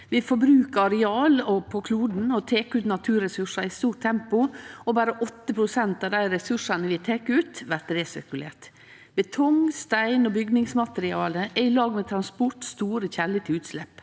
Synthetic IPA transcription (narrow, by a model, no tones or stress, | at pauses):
ʋɪfɔbɾʉːkəɑɾɛɑːlɔpʰɔkʰluːd̪n̩ɔt̪ʰeːkʉːt̪nɑt̪ʰʉːɾɛsʉʂɑɪst̪uːʈ̚t̪ʰɛmpʊɔbæːɾəʔɔt̪ːəpʰɾʊsɛnt̪ɑːʋd̪æɪɾɛsʉʂɑnəʋɪt̪ʰekːʉːt̪ʋæɾtɾeːsɪ̰ɾkʉlḛːʈ | bət̪ʰɔŋst̪æɪnɔbʏɡnɪŋsmɑt̪ɾɪɑːləʔɛɪlɑːɡmɛːt̪ʰɾɑnspɔʈst̪uːɾəçæːlɪt̪ʰɪʉːt̪slɛp